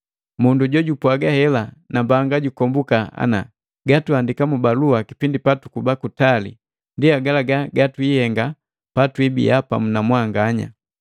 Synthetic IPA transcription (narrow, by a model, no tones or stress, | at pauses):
munduɟɔɟupwaɡahɛlanambaŋɡaɟukɔmbukaa̰na̰ | ɡatuandikamubaluakipindipatukubakutalḭ | ndiaɡalaɡaɡatwihɛŋɡa | patwibḭapa̰munamwaŋɡaɲa̰